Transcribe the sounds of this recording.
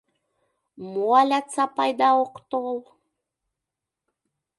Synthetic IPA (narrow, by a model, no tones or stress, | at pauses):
mualʲat͡sapajd̪aoqt̪olˠ